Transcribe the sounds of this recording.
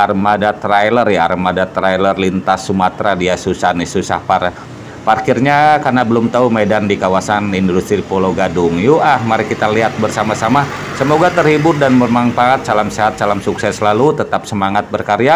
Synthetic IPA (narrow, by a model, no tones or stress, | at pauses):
armadat̪ɾajlərjaarmadat̪ɾajlərlint̪asːumat̪ɾadiasusanisusa̰hpar | parkirɲakarnabəlʊmt̪aumedandikawasanindust̪ɾipoloɡadʊŋjuahmaɾihkit̪aliɦat̪̚bərsamasama | səmoɡat̪ərhibʊrdanməmaŋfaat̪̚t͡ʃalamseɦat̪̚t͡ʃalamsuksɛslalut̪ət̪ap̚səmaŋat̪̚bərkaɾja